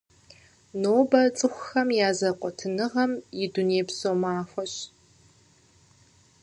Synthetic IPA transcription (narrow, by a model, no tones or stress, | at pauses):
noːbɐt͡sʼɨxʷxɐmjaːzɐqʷʼɔtʰɨnɨʁɐmjɪduneːpsoːmaːfʷɔɕ